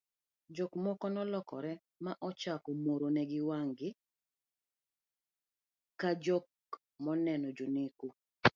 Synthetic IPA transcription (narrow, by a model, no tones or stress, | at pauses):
d͡ʒɔkmɔkɔnɔlɔkɔ̰ɾɛ | maʔɔt͡ʃakomoɾonɛɡɪwaŋɡɪ | kad͡ʒɔk̚ | mɔnɛnɔd͡ʒoneku